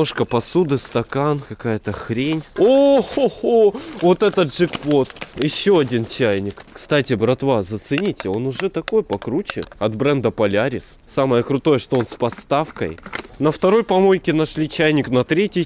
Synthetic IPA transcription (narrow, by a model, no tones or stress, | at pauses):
oʂkəpɐsud̪ɨst̪ɐkankɐkajət̪əxɾʲenʲooovo̞t̪ɛt̪ət̪ʐɨkpo̞t̪jɪɕːo̞ɐdʲint͡ɕæjnʲɪkkst̪atʲɪbɾɐt̪vazət̪sɨnʲitʲɪo̞nʊʐɛt̪ɐko̞jpɐkɾut͡ɕɪ̰nɐt̪bɾɛnd̪əpɐlʲaɾʲɪs | saməjəkɾʊt̪o̞jəʂt̪o̞o̞nspɐt̪st̪afkə̰jnəft̪ɐɾo̞jpɐmo̞jkʲɪnɐʂlʲit͡ɕæjnʲɪknɐt̪ɾʲetʲɪj